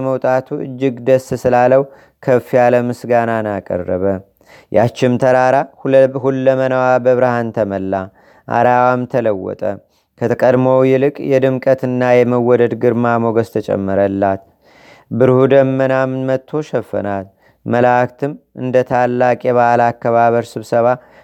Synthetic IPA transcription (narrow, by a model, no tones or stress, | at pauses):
məwt̪ʼat̪ʰuɨ̰d͡ʒːɪɡd̪əsːsɨlaləw | kʰəfijaləmɨsɡananakʼə̰rːəβə | jat͡ʃːɪmt̪ʰəɾaɾahhulːəmənəwabəβɾahant̪ʰəməlːa | ʔa̰ɾawamt̪ʰələwːɔ̰t̪ʼə | kʰət̪ʰəkʼəd̪məwjɛlɨkʼjɛd̪ɨmkʼət̪ɨnːajɛməwɔd̪əd̪ɡɨɾmamoɡəst̪ʰət͡ʃʼɛ̰mːɨɾəlːat̪ | bɨɾhud̪əmːənamnmət̪ʰːo̞ʃɛfːə̰nat̪ | məlakt̪ʰɨmʔɨ̰nd̪ət̪ʰalːakʼjɛβaalakːəβaβəɾsɨβsəβa